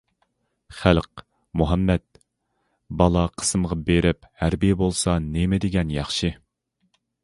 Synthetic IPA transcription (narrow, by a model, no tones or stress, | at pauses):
χælq̚ | muɦɛmːɛt̪̚ | bɑlˠɑqʰə̥sɨmʁɑbeɾɪphæɾbijɪbolˠsɑnemɪd̪ɪɡʲɛnjɑχʃi